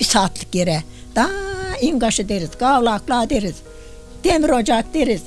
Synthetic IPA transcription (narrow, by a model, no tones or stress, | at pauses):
b̥isaːt̪ʰlɨ̥k̚ɡeɾɛd̪̥aiŋɡɑʃɨd̪eɾizɡɑːwlaːk̚blaːd̪eɾiz̥ | d̪̥emɾod͡ʒɑk̚d̪eɾiz